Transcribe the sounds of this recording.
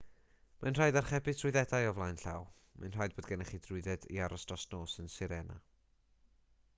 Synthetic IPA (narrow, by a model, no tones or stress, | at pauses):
manr̥ajdarχɛbɪdʰrʊɨðɛdajɔvlˠajnɬa̰w | ma̰nr̥ajd̚boːdɡɛnɛχidrʊɨðɛdḭaɾɔsdɔsnoːsənsɪɾɛna̰